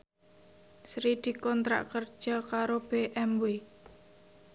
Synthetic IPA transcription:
sɾid̪̥i̤kɔnt̪ɾa̰ʔkərd̥ʒ̥ɔ̤kaɾob̥eʔɛmwe

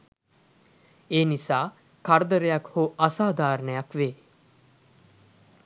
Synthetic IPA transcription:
eːnisaː | kaɾd̪əɾəjakhoʔasaːd̪aːɾənəjakʋeː

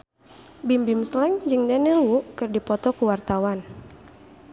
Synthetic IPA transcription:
bimbimslɛŋd͡ʒɨŋdɛnilwukɨrdipɔt̪ɔkuwart̪awan

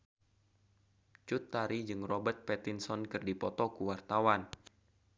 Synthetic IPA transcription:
t͡ʃut̪ːaɾid͡ʒɨŋrɔbərt̪̚pɛt̪insɔnkɨrdipɔt̪ɔkuwart̪awan

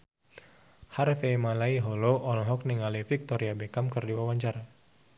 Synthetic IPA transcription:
harfemalaiɦɔloɔlɦɔk̚niŋalifik̚t̪ɔɾiabɛkamkɨrdiwawaɲt͡ʃaɾa

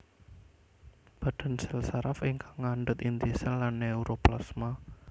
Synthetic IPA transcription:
b̥a̤ɖ̥a̤nsɛlsaɾafiŋkʰaŋːaɳɖʊt̪int̪isɛlːanːeuɾʔoplasma

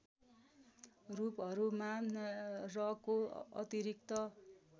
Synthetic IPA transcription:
rupʌɾumanrʌkoʌ̰t̪iɾikt̪ʌ

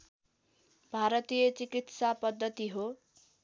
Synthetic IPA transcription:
bʱaɾʌt̪ijʌt͡sikit̪sapʌd̪ːʌt̪iɦo

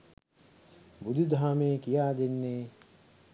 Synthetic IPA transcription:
bud̪ʱid̪ʱaːmeːkijaːd̪enːeː

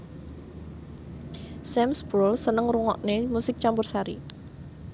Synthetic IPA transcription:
sɛmsbɔlsənəŋruŋɔ̰ʔnemusɪk̚t͡ʃampʊrsaɾḭ

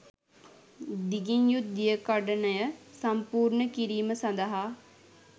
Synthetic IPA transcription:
d̪iɡiɲjut̪̚d̪ijəkɔɖənəjəsɐmpuːɾnəkiɾiːməsɐnd̪əɦaː

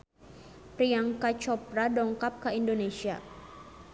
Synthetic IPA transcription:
pɾiaŋkat͡ʃɔp̚ɾadɔŋkap̚kaindonesia̰

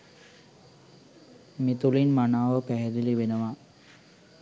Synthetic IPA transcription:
mit̪ulinmanaːʋəpæɦɛɾilibenəʋa

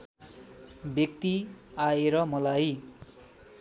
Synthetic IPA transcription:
bjʌk̚t̪iaeɾʌmʌlaj

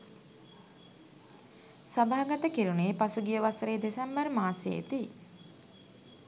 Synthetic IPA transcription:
sabaːɡat̪əkiɾuneːpasuɡijəʋasəɾeːd̪esɛmbəɾmaːsḛḛt̪i

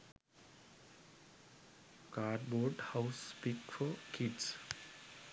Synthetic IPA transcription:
kaɖboɾɖhawspikfɔkʰiɖs

